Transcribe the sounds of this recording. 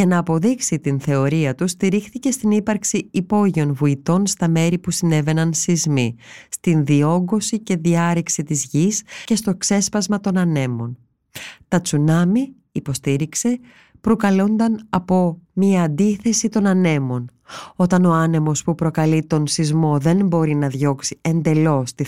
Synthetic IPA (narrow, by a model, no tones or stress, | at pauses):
ʝɐnɐːpo̞ðiksit̪inθe̞o̞ɾiɐt̪ust̪iɾixθice̞st̪inipɐɾksiipo̞ʝio̞nvuit̪o̞nst̪ɐme̞ɾipusine̞ve̞nɐnsizmist̪inðio̞ɡo̞sice̞ðiɐɾiksit̪izʝisce̞st̪o̞kse̞spɐzmɐt̪o̞nɐne̞mo̞n | t̪ɐt͡sunɐmiː | po̞st̪iɾikse̞ | pɾokɐlo̞nd̪ɐnɐpo̞miɐːnd̪iθe̞sit̪o̞nɐne̞mo̞n | o̞t̪ɐno̞ɐne̞mo̞spupɾo̞kɐlit̪o̞nsizmo̞ðe̞nbo̞ɾinɐðʝo̞ksie̞nd̪e̞lo̞st̪i